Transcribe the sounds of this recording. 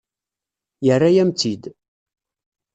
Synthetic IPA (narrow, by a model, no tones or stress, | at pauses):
jərːajæmt̪id̪